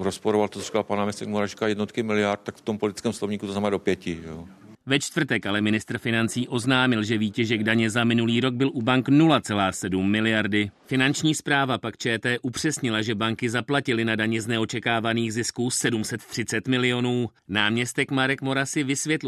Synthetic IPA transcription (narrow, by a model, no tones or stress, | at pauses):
ɾospoɾovalt̪oo̥i̥kapanaːmɲɛst̪ɛk̚moɾaʒikajɛdnot̪kɪmɪlɪjaɾt̪̚t̪ːakft̪ompolɪt̪ɪ̥t͡skɛːmslovɲiːkut̪oznamɛːdopjɛcɪo | vɛt͡ʃt̪vr̩t̪ɛkʔalɛmɪnɪst̪r̩fɪnant͡siːʔo̞znaːmɪlʒɛviːcɛʒɛɡdaɲɛzamɪnuliːɾo̞ɡ̚bɪlʔubaŋknulat͡sɛlaːsɛdumːɪlɪjaɾdɪfɪnant͡ʃɲiːspɾaːvapakt͡ʃɛːt̪ɛːʔupr̝̥ɛsɲɪlaʒɛbaŋkɪzaplacɪlɪnadaɲɛznɛo̞t͡ʃɛkaːvaniːɣzɪskusɛdumsɛt̪t̪r̝̥ɪt͡sɛt̪mɪlɪo̞nuː | naːmɲɛst̪ɛkmaɾɛkmo̞ɾasɪvɪsvjɛt̪l